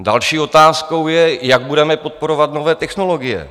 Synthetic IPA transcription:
dalʃiːo̞t̪aːsko̞wjɛjaɡ̚budɛmɛpot̪̚poɾo̞vat̪no̞vɛːt̪ɛxno̞lo̞ɡɪjɛ̰

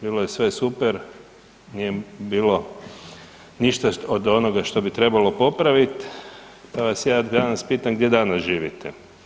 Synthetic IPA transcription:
biːlˠojesʋe̞supeɾ | nijebiːlo̞ | niʃt̪aod̪o̞noɡaʃt̪o̞bit̪ɾe̞balo̞po̞pɾaʋit̪ | paʋasjaːd̪d̪anaspiːt̪amɡd̪jed̪anasʒiːʋḭt̪ḛ

